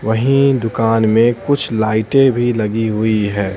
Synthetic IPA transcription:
ʋɐɦĩd̪ʊkaːnmẽkʊt͡ʃʰlaːɪʈẽbʱilɐɡiɦʊiɦɛː

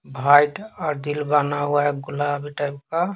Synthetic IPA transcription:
bʱajʈɔɾd̪ilbanawaeɡulabiʈajb̚ka

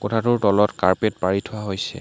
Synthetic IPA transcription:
kɔtʰatʊɹtɔlɔtkaɹpetpaɹitʰʊwaɦojsɛ̰

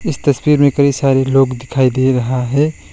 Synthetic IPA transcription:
ɪst̪ɐswiːɾmẽkɐɾisaːɾeloːɡd̪ɪkʰaːid̪eɾɐɦaɦɛː

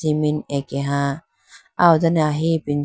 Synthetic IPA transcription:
iminekeɦa | ʔawzanaɦipin

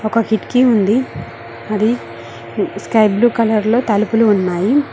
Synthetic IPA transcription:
ɔkɐkiʈkiund̪i | ɐd̪i | skɐjbluːkɐlɐɾlo̞ːt̪ɐlupuluːnːaːji

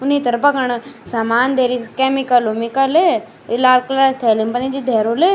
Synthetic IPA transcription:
ʊnit̪ɐɾbɐkɐɳ̃samaːnd̪ʱeːɾiskeːmikɐlumikəle | ɪlaːlklat̪ʰeːlimbɐnĩd̪id̪ʱeːɾole

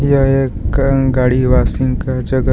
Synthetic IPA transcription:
jɐekɡaːɽiʋaːsiŋɡkad͡ʒɐɡə

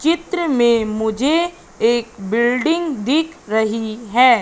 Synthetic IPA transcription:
t͡ʃɪt̪ɾəmẽmʊd͡ʒʱe | eːk̚bɪlɖɪ̃ŋɡd̪ɪːkʰɾɐɦiɦɛː

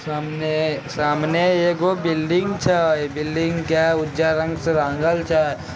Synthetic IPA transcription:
saːmnesaːmneeɡobɪlɖɪ̃ŋɡt͡ʃʰabɪlɖɪ̃ŋɡkaʊd͡ʒaːɾɐ̃ŋɡseɾãːŋɡəlt͡ʃʰa

